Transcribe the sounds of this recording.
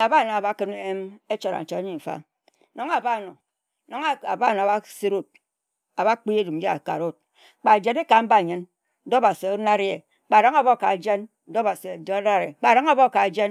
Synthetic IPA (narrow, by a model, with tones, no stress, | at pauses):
a˨ba˦˨na˨ba˦kɨ˦n˦e˦me˦t͡ʃo˨ɾa̰˨n̩˨t͡ʃo˨a˦ɲi˨fa̰˦ | no˨ŋa˨ba˦˨nɔ̰˨ | no˦ŋa˦a̰˨ba˦˨no˨ba˦si˦ɾo˦t̚ | a˨ba˦k͡pi˦e˦du˨m̩˦d͡ʒe˦a̰˨ka̰˨ɾo˦t̚ | k͡pa˨d͡ʒe˨di˦ka˨m̩˦ba˦˨ɲi˦n | n̩˦do˦ba˨si˨o˦na˦ɾi˦e˨k͡pa˨ɾa˦ŋa˨bo˦˨ka˨d͡ʒe˦n | n̩˦do˦ba˨si˨do˦a˦ɾa˦ɾe˨k͡pa˨ɾa˦ŋa˦bo˦˨ka˨d͡ʒe˦n